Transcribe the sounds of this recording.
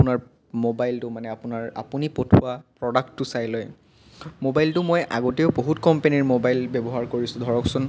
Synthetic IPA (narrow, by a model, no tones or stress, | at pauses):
pʊnaɹ | mobajltʊmanɛapʊnaɹa̰punipotʰʊapɹɔdak̚tːʊsajloj | mobajltʊmojʔa̰ɡɔteʊboɦutkɔmpeniɹmobajlbebɔɦaɹkoɹisʊ̃dʱɔɹɔksʊn